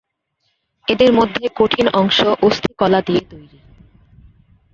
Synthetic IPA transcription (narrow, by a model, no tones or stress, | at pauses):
ed̪eɾmod̪ʱːekoʈʰinɔŋʃoʔost̪ʰikɔlad̪ijet̪ojɾi